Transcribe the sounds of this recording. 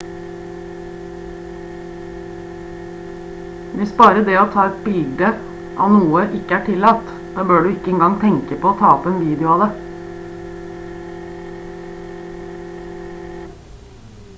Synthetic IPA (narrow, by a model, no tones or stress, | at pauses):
ʋɪsbɑːɾəd̪eːoːt̪ʰɑːɛt̪̚bɪlɡd̪ə | ʔɑ̰ːʋnuːəʔɪkəæːʈʰɪlɑt̪ | d̪̥ɑːbøːɖʉːɪkəɛːŋɡɑŋt̪ʰɛŋkəpʰoːoːt̪ʰɑːɔpeːnʋiːd̪ɪʊɑːd̪e